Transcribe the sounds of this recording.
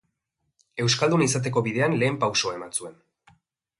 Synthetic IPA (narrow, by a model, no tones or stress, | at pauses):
e̞wskald̪unis̬at̪̬e̞ko̞βiðe̞anle̞ːmpawsoae̞mansue̞n